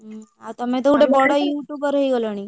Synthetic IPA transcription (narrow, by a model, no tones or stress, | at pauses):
at̪əmẽt̪ʰoɽebɔɽajuʈjubəɾəiɡəloɳ̃i